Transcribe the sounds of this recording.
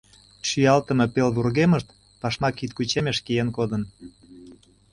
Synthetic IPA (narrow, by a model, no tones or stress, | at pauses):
ʃyjɑlt̪əme̽pelvurɣeməʃt̪ | pɑʃmɑkit̪̚kut͡ɕemeʃkijenkod̪ən